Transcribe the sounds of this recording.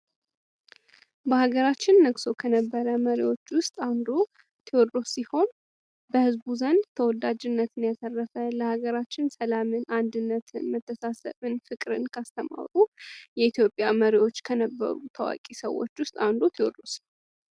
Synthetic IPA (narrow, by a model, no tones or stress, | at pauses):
bəhaɡəɾat͡ʃːɪnːəɡso̞kʰənəbːəɾəməɾiwo̞t͡ʃːwʊst̪ʼand̪o̞ | t̪ʰeod̪ɾo̞siho̞n | bəhɨzbuzənd̪t̪ʰəwɔd̪ad͡ʒɪnːət̪ɨnjasərːəfələhaɡəɾat͡ʃːɪnsəlamɨnand̪ɨnːət̪ʰɨ̰nmət̪ʰːəsasə̰βɨnfɨkʼɾɨnkʰast̪ʰəma̰wɾʼujɛit̪jo̞pʼːjaməɾiwo̞t͡ʃːkʰənəbːə̰ɾut̪ʰəwa̰kʼisə̰wːo̞̰t͡ʃːwʊst̪ʼand̪o̞t̪ʰewod̪ɾo̞s